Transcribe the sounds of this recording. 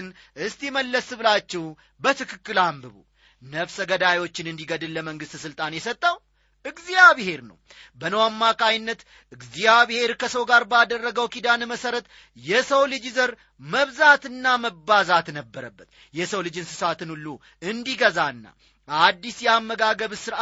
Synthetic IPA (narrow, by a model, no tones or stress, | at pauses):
ɨn | ɨst̪jɛməlːəsbɨlat͡ʃːɛw | bət̪ʰɨkʰɨkːɨlambɨβṵ | nəfsəɡəd̪ajo̞t͡ʃːɪnɨnd̪iɡəd̪ɨlːəməŋɡɨst̪sɨlt̪ʼanjɛsət̪ʼːəw | ʔɨɡzijaβehe̞ɾnə̰wbənəwamːakʼajɪnːət̪ | ʔɨɡzijaβehe̞ɾkʰəsəwɡaɾbad̪ərːəɡəwkid̪anməsəɾət̪ | jɛsəwlɨd͡ʒizəɾ | məβzat̪ɨnːaməbːazat̪nəbːəɾəbːət̪ | jɛsəwlɨd͡ʒɪnsɨsat̪ʰɨnhulːu | ɨnd̪iɡəzaɨnːa̰ | ad̪ːisjɛamːəɡaɡəβsɨɾa